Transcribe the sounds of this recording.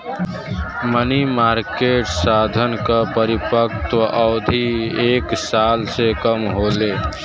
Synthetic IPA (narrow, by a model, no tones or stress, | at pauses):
mənimaɾkeʈsad̪ʱənkəpəɾipəkt̪əʔəʊd̪ʱieksalsekəmɦole